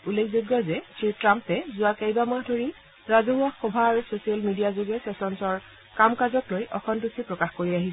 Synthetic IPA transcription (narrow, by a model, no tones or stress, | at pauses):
ulːekʰzoɡjɔzɛtitɹampɛzʊakejbamaɦdʱoɹi | ɹazɔɦuaxxːɔbʱaɹusosialmidijazoɡɛsɛsɔnsɔɹ | kamkazɔklojʔɔkʰɔntusipɹɔkaxkoɹiaɦis